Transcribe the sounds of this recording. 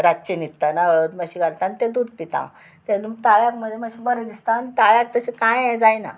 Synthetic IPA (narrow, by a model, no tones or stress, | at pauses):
ɾat͡ɕenit̪ːanaɭət̪məɕiɡalt̪anit̪ẽd̪ud̪̚pit̪ã̰ | t̪ent̪aɭjakm̤əneməɕibəɾəd̪ist̪anit̪ajak̚t̪əsekãjɛ̃d͡zajna̰